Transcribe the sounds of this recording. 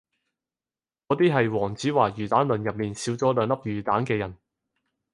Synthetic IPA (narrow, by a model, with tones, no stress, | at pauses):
kɔː˨˥t̪iː˥ɦɐ˨jwɔː˨˩ŋt͡siː˨˥waː˨˩jyː˨˩t̪aː˨˥nlɵ˨njɐ˨p̚miː˨nsiː˨˥wt͡sɔː˨˥lœː˨˧ŋlɐ˥p̚jyː˨˩t̪aː˨˥nkɛː˧jɐ˨˩n